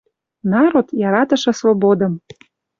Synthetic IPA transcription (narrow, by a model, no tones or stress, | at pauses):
nɑɾot̪jɑɾɑt̪ɤ̆ʃɤ̆svobod̪ɤ̆m